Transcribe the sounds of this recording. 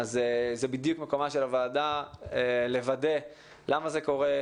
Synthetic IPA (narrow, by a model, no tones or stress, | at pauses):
azezebid̪jukmekomaʃelavaːdaele̞vade | lamazeko̞ʁe